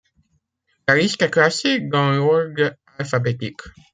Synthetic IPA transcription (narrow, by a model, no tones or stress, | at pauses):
laʁiskaklasiɡɑ̃ɔɡ | alfabet̪ik